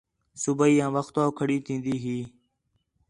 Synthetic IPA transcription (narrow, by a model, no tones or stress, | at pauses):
subəiːãːʋəxt̪oːkʰəɽiːt̪ʰĩːnd̪iːɦiː